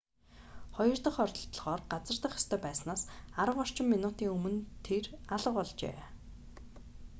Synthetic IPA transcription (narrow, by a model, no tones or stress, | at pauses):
χɔjɞ̆rt̪ə̆χɔrʲt̪ɞ̆ɬt̪̆ɮʁɔːrɢat͡sə̆rt̪ə̆χjḁst̪ʰœːpæːsnaːsaɾə̆wɔr̥t͡ɕɪ̆mːinʊːt̪iːŋɵmɵ̆nt̪ʰeraɮə̆qɔɮt͡ɕḛː